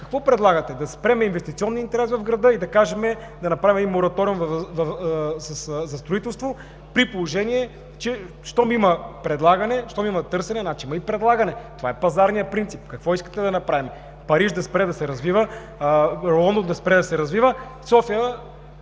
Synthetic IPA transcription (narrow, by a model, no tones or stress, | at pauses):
kɐkvɔpɾɛd̪lˠaɡɐt̪ɛd̪ɐspɾɛmɛinvɛst̪it̪siɔnːiint̪ɛɾɛsvɐvɡɾɐd̪ɤid̪ɐkaʒɛmɛ | d̪ɐnɐpɾavimɛimːoɾɐt̪ɔɾiumvvɐsɐszɐst̪ɾoit̪ɛlˠst̪vo | pɾipolˠoʒɛniɛ | t͡ʃɛ | ʃt̪ɔmiməpɾɛd̪lˠaɡɐnɛʃt̪ɔmimɐt̪ɤɾsɛnɛnat͡ʃimɐipɾɛd̪lˠaɡɐnɛt̪ovaɛpɐzaɾnijəpɾint̪sipkɐkvɔiskə̥t̪ɛd̪ɐnɐpɾavimɛ | pɐɾiʃd̪ɐspɾɛd̪ɐsɛɾɐzvivə | ɔnd̪ond̪ɐspɾɛd̪ɐsɛɾɐzvivəsɔfijə